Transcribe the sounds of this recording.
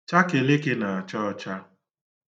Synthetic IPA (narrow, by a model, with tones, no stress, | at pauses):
t͡ʃa˦ke˨lɪ˦kɪ˦na˨a˨t͡ʃɔ˦ɔ˦t͡ʃa˦